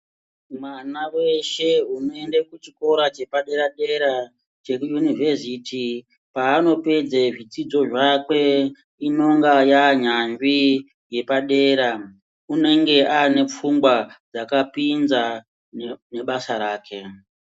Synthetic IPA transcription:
mwanawe̞ʃe̞uno̞endekut͡ʃiko̞ɾat͡ʃe̞paɗe̞ɾaɗe̞ɾa | t͡ʃe̞kujunivesiti | paːno̞pe̞d͡zeʐit͡sid͡zo̞ʐakwe̞ | ino̞ŋɡajaɲambi | je̞paɗe̞ːɾa | une̞ŋɡe̞ʔane̞p͡fuŋɡwad͡zakapinza | ne̞ɓasaɾaːkʰe̞

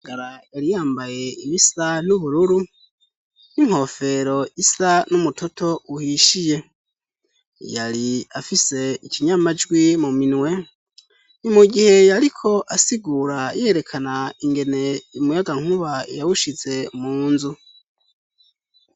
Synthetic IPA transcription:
ɡaɾajaɾijaːmbaje̞iβisanuβuɾuɾu | niŋho̞fe̞ɾo̞ʔisanumutʰo̞tʰo̞uhiʃije̞ | jaɾiafise̞icʰiɲamad͡ʒɡwimuminwe̞ | nimuɡihe̞jaɾikʰo̞ʔasiɡuɾajeɾe̞kʰanaiŋɡe̞ne̞umujaɡaŋ̥huβajawuʃize̞muːnzu

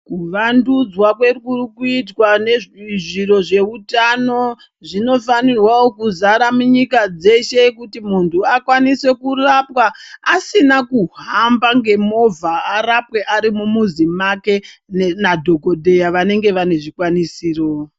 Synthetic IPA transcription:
kuʋandud͡zwakwe̞rkurkuit̬wane̞ʐʐiro̞ʐe̞utano̞ | ʐino̞fanirwaokuzaɾamuɲikad͡ze̞ʃe̞kutimuntʰuakwanise̞kurapwaːsinakuɦambaŋɡe̞mo̞vʱaːɾapwe̞ʔaɾimumuzimake̞nnadʱo̞ko̞dʱe̞jaʋane̞ŋɡe̞ʋane̞ʐikwanisiːro

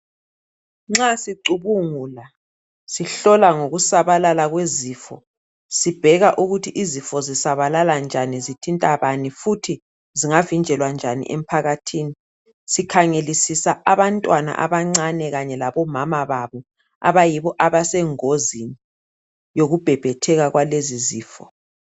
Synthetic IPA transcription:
ŋ͡ǁasiǀuβuŋuːla | siɬɔlaŋoɣusaβalalaɣweziːfɔ̰ | sib̥ʱɛɣaʔuɣutʰiʔizifɔzisaβalaland͡ʒʱanizitʰintʼaβanifutʰi | ziŋavind͡ʒʱɛlwand͡ʒʱanḭʔem̩pʰaɣatʰiːni | sikʰaŋelisisaaβantʼwana̰ʔa̰βaŋ͡ǀanɛɣaɲɛlaβɔmamaβaβɔ | a̰βajiβɔʔaβasɛŋozini | joɣub̥ʱɛb̥ʱɛtʰɛɣaɣwaleziziːfɔ̰

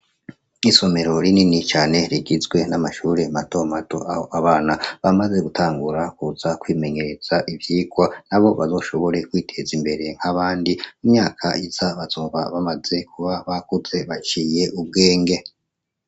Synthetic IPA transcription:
iso̞me̞ɾo̞ɾininit͡ʃaːne̞ɾiɡizɡwe̞namaʃuːɾe̞mato̞matoʔaho̞ʔaβaːnaβamaze̞ɡutʰaːŋɡuɾakuz̥akwiːme̞ɲe̞ɾez̥aʔivjiːɡwanaβo̞βa̰zo̞ːʃo̞βo̞ɾe̞kwiːtʰe̞zimbe̞ɾe̞ŋ̥haβaːndiumɲaːkʰaizaβazuːmvaβamaze̞kʰuβaβakuze̞βat͡ʃiːje̞ʔub̚ɡeːŋɡe̞

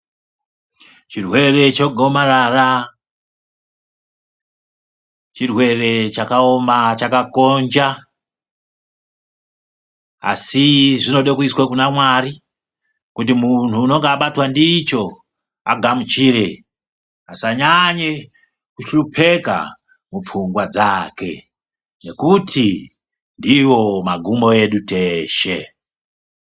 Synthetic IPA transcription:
t͡ʃirwe̞re̞t͡ʃoɡʱo̞maɾara | t͡ʃirwe̞re̞t͡ʃakaomat͡ʃakako̞nd͡ʒa | a̰siʐino̞ɗokuiswakunamwari | kutimun̤uːno̞ŋɡeaɓatwandiːt͡ʃo̞ | aɡʱamut͡ʃiɾe | asaɲaɲe | kuʃrupʰe̞ka̰ | mup͡fuŋɡwad͡zake̞̰ | ne̞kutʰi | ndiwo̞maɡʱumo̞e̞ɗuteʃe

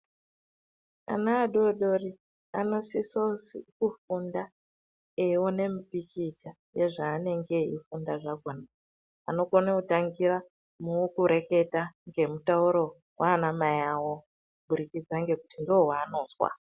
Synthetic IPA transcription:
a̰naːɗoɗo̞ri | ano̞sisosikufunda | ewone̞mipit͡ʃit͡ʃa | je̞ʐaːne̞ŋɡe̞ḭfundaʐaɡʱona | ano̞konakutaŋɡiɾa | mukuɾe̞ke̞taŋɡe̞mutauɾo̞ | waːnamajawo̞ | uɓuɾikid͡zaŋɡe̞kutindoɦwaːno̞ːzwa̰

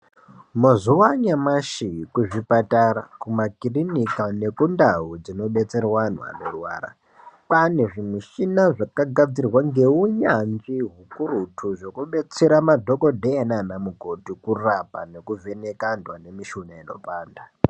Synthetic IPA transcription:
mozuwaɲamaʃikuʐipatarakumakirinikane̞kundaɦud͡zino̞ɓe̞t͡se̞rwan̤wa̰norwa̰ːra̰ | pane̞ʐimiʃinaʐakaɡʱad͡zirwaŋɡe̞uɲand͡ʒiɦukurutʰuʐo̞kuɓe̞t͡seɾamadʱo̞ko̞dʱeenanamuɡʱo̞tikurapane̞kuvenekandwane̞miʃunaino̞̰paːnda

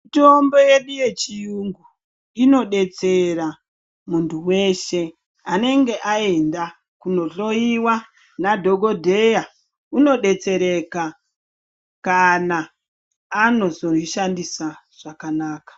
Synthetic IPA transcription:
mito̞mbo̞je̞ɗuje̞t͡ʃijuŋɡu | ino̞ɗe̞t͡se̞ɾa | muntʰuwe̞ʃe̞ | ane̞ŋɡe̞ʔae̞nda | kuno̞ɬo̞iwa | nadʱo̞ɡʱo̞dʱe̞ja | uno̞ɗe̞t͡se̞ɾe̞ka | kanaː | no̞zoiʃandisa | ʐ̥akanaːkḁ

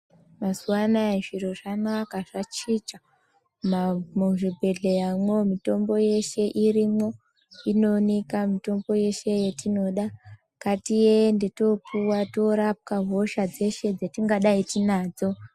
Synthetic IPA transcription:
masuwanaeʐiɾoʐanakaʐat͡ʃit͡ʃa | mmuʐibʱe̞ɮejamwomito̞mbo̞je̞ʃe̞ʔiɾimo | ino̞nekamito̞mbo̞je̞ʃe̞jetino̞ɗa | katijendeto̞pʰuwatoɾap̚kaɦo̞ʃad͡ze̞ʃe̞d͡zetiŋɡaɗaitinaːd͡zo̞

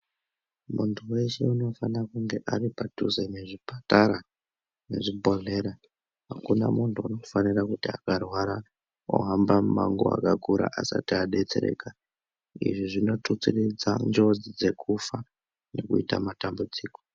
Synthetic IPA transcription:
muntʰuwe̞ʃeuno̞fanirakuŋɡe̞ʔaripatuzene̞ʐipataɾa | ne̞ʐibʱo̞ɮe̞ːɾa | ɦakuna̰muntʰuuno̞fanirakutiakarwaɾa | o̰ɦambammaŋɡo̰a̰kakuɾa̰ʔasa̰tiaɗe̞t͡se̞̰ɾe̞̰ːka | ḭʐiʐino̞tut͡sirid͡za̰nd͡ʒo̞d͡zid͡ze̞kʰufa | ne̞kuita̰matambud͡ziːko̥

